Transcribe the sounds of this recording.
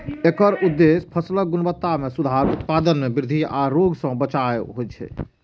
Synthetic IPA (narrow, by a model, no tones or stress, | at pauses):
ekəɾud̪ːespʰəslək̚ɡunbət̪ːamesud̪ʱaɾut̪̚pad̪ənmebiɾd̪ʱia̰ɾoɡsə̃bət͡ʃaeɦot͡ʃʰɛ̰